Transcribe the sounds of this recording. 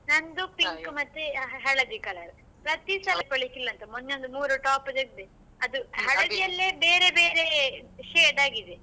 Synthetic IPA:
nɐnd̪upiŋkumɐt̪ːeɦɐɭɐʋikɐlɐɾ | pɾɐt̪isɐːlɐkɐɭikilːɐnt̪ɐmonːeond̪umuːɾuʈaːpɐd̪ɐɡd̪e | ɐd̪uɦɐɭɐʋijɐlːeːbeːɾebeːɾeʃeːɖaːɡid̪e

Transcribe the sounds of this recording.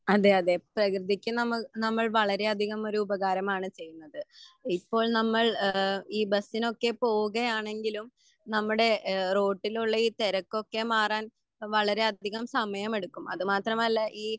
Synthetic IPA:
ɐðeɐðe̞prɐkrɨd̪ikʲːunɐmːunɐmːɐɭʋɐɭɐɾe̞ɐd̪ʱiɣɐmo̞ɾuubɐɣaːɾɐmaːɳɨt͡ɕe̞jːunːɐðɨipːo̞ːɭnɐmːɐɭiːbɐsːino̞kːe̞po̞ːuɣɐjaːɳe̞ŋɡilum | nɐmːuɽe̞ro̞ːʈːiluɭːɐiːt̪eɾɐkːo̞kːe̞maːraːn | ʋɐɭɐɾe̞ɐd̪ʱiɣɐmsɐmɐjɐme̞ɽukːumɐðɨmaːt̪rɐmɐlːɐʔiː

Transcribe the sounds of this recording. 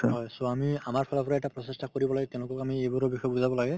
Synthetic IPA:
ɦɔjsoamiamaɹpʰɔlɔpʰɔɹaɛtapɹɔsestakoɹibɔlaɡɛtɛ̃ʊ̃lʊkɔkamiejbuɹɔbixɔjbuzabɔlaɡɛ

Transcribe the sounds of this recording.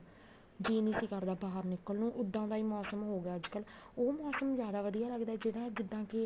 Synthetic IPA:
d͡ʒiːnĩːsiːkəɾd̪aːbaːəɾnɪkːəlnũːʔʊd̪ːãːd̪aːiːmɔːsəmɦoːɡaːəd͡ʒkəl | oːmɔːsəmzjaːd̪aːʋəd̪ijaːləɡd̪aɛːd͡ʒɪɽãːd͡ʒɪd̪ːãːkɪ

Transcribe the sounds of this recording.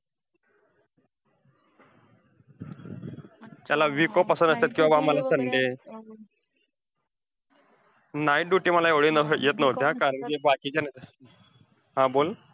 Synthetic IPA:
t͡ɕ̪jalaʋikopəsənd̪əst̪at̪kĩw̃ʋabaməlasəɳɖe | najiʈɖuʈiːməlaeʋɭinəjet̪nəʋt̪eãkaɾəɳd͡ʑebakiːt͡ɕana | ɦãbol

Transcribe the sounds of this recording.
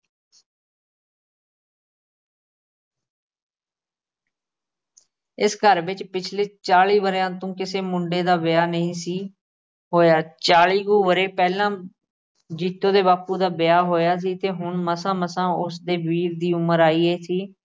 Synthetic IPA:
ɪskəɾʋɪt͡ʃpɪt͡ʃʰleːt͡ʃaːɭiːbəɾjãːt̪õːkɪseːmʊɳɖeːd̪aːbɪjaːnəĩːsiː | ɦoːjaːt͡ʃaːɭiːɡuːʋəɾeːpɛːlãː | d͡ʒiːt̪ːõːd̪eːbaːpuːd̪aːbɪjaːɦoːjaːs̬iːt̪eːɦʊɳməsãːməsãːʊsd̪eːbiːɾd̪iːʊməɾaːiːeːsiː

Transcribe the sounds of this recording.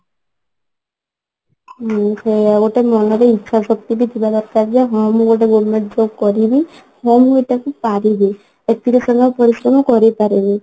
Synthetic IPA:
seaɡoʈemɔnɔɾeitːʃʰasɔk̚t̪ibit̪ʰibad̪ɔɾkaɾd͡ʒeɦɔmɔɡoʈ̬eɡoɽmẽɳʈd͡ʒoɡkɔɾibi | hɔmɦoʈakupaɾibi | et̪ʰiɾisɔnapɔɾisɾɔmɔkɔɾipaɾibi

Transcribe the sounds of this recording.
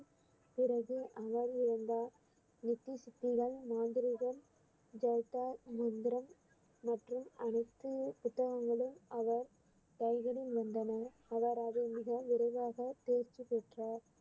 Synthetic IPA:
pɪɾɐɣɯʔɐʋɐɾɪɾɯnd̪aː | nɪt̪ːisɪt̪ːɪɣɐɭmaːnd̪ɪɾɪɣɐm | d͡ʒɐjt̪aːmɐnd̪ɪɾɐmː | ɐʈrɯmɐɳɐɪt̪ːɯpʊt̪ːɐɣɐŋɡɐɭɯmɐʋɐɾ | t̪ɐɪɣɐɽɪnʋɐnd̪ɐnɐ | ɐʋɐɾɐðɯmɪɣɐʋɪɾɐɪʋaːɣɐt̪eːɾt͡ʃipeʈraːɾ

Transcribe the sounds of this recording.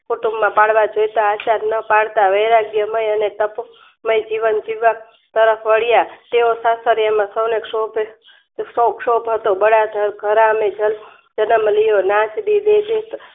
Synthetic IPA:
kuʈumːãpaɽʋad͡ʒojt̪aːt͡ʃanəpaɽt̪aʋəjɾaɡjəməjənet̪əp | məjd͡ʒiʋənd͡ʒiʋa | t̪əɾəfʰʋəɽjat̪eosasəɾjamãsəwnekʂobʱ | səwkʃobʱɦət̪obəɽad̪ʱəɾɡʱəɾamed͡ʒəl | d͡ʒənəmlijonãt͡ʃd̪id̪ed̪et̪

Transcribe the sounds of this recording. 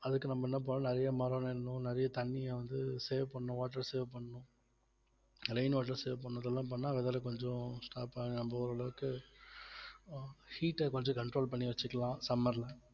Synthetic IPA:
ɐðɯkːɯnɐmːbɐɛnːɐp̬oːɾɐ̃nɪɾɐjɐmɐɾɐnɪnnʊ̃nɪɾɐjɐt̪ɐɳːɪjɐ̃ʋɐnd̪ɯseːʋpɐɳːʊ̃ʋaːʈːɐɾseːʋpɐɳːʊ̃ | ɾɐɪnʋaːʈ̬ːɐɾseːʋpɐɳːɐðɛlːãːp̬ɐɳːaːʋɛðɐlɐkɔɲd͡ʒɔ̃sʈaːpːɐnɐmbɐɔɾɐɭɐʋɯkːɯ | hiːʈːɐkɔɲd͡ʒɔ̃kɐɳʈɾoːlpɐɳːiʋɐt͡ʃːɯkːɐlãːsɐmːɐɾlɐ̃

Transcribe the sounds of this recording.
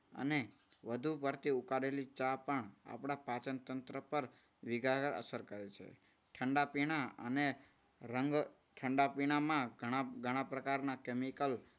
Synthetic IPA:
ə̰ne | ʋəd̪ʱupəɾt̪iukaɽelit͡ʃapəɳa̰pɽapat͡ʃənt̪ənt̪ɾəpəɾ | ʋiɡaəɾə̰səɾkəɾet͡ʃʰḛ | ʈʰəɳɖapiɽ̃aə̰ne | ɾəŋɡ | ʈʰəɳɖapiɽ̃amãɡʱəɽ̃aɡʱəɽ̃ãpɾəkaɾnakemikəl

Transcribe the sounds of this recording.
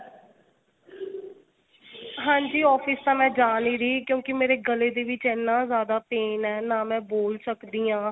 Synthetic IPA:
ɦãːɲd͡ʒiːɔːpʰɪst̪ãːmɛ̃ːd͡ʒaːniːɾiːkjõːkɪmeːɾeːɡəleːd̪eːʋɪt͡ʃɛːnːãːzjaːd̪aːpeːnɛːnaːmɛ̃ːboːlsəkd̪iːãː

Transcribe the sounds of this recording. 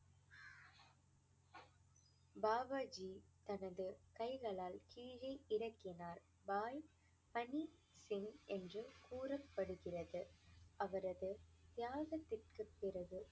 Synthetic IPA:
baːʋaːd͡ʒit̪ɐnɐðɯkɐɪɣɐɭaːlkiːɻɐɪʔɪɾɐkːɪnaːɾ | baːj | pɐni | sɪŋʔɛndrɯkuːrɐpːɐɽɯɣɪrɐðɯʔɐʋɐɾɐðɯt̪jaːɣɐt̪ːɪrkɯpːɪrɐɣɯ

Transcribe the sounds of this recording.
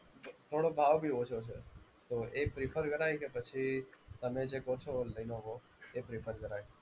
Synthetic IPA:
t̪ʰoɽobʱaʋbʱiot͡ʃʰot͡ʃʰe | t̪oepɾifʰəɾkəɾajkepət͡ʃʰit̪əmed͡ʒekot͡ʃʰoləinoko | epɾifʰəɾkəɾaj

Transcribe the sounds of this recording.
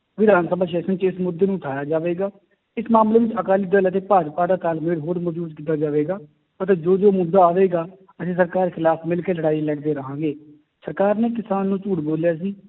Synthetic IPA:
ʋɪd̪aːnsəbaːʃ̬ɛːsənt͡ʃɪsmʊd̪ːeːnũːʊʈʰaːjaːd͡ʒaːʋeːɡaː | ɪsmaːmleːʋɪt͡ʃəkaːliːd̪ələt̪̬eːpaːd͡ʒpaːd̪aːt̪aːlmɪɽɦoːɾməd͡ʒuːd̪kiːt̪aːd͡ʒaːʋeːɡaː | ət̪eːd͡ʒoːd͡ʒoːmʊd̪ːaːaːʋeːɡaː | əsĩːs̬əɾkaːɾkʰɪlaːpʰmɪlkeːləɽaːiːlɛːkd̪eːɾəɦãːɡeː | səɾkaːɾneːkɪsaːnːũːt͡ʃuːɽboːljaːsiː

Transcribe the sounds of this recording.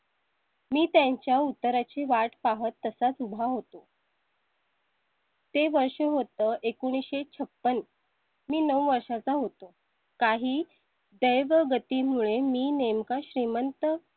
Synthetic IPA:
miːt̪jaɲt͡ɕjaut̪ːəɾat͡ɕiʋaʈpaɦət̪ːəsat͡subʱaɦot̪o | t̪eʋəɾʂəɦot̪əːʔekoɽ̃iɕet͡sʰəpːən | miːnəwʋəɾʂat͡saɦot̪o | kaɦiː | d̪əjʋəɡət̪iːmuɭemiːnemkaɕɾimənt̪ə

